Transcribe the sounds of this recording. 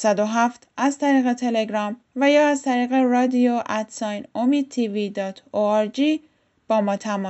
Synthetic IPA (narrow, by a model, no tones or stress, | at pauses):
sæd̪oɦæft̪ʰæzt̪ʰæɾiːɣe̞t̪ʰe̞le̞ɡɾɒːm | væjɒːæzt̪ʰæɾiːɣe̞ɾɒːd̪ioʔæt̪sɒːjnomiːd̪̥̚t̪ʰivid̪ɒːt̪ʰoæɾd͡ʒi | b̥ɒːmɒːt̪ʰæmɒ